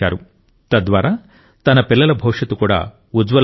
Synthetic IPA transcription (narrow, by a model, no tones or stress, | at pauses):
a̰ːɾu | t̪ɐd̪ʋaːɾaː | t̪ɐnɐpilːɐlɐbʱɔːʂɐt̪ukuːɽa̰ː | ud͡ʒʋɐl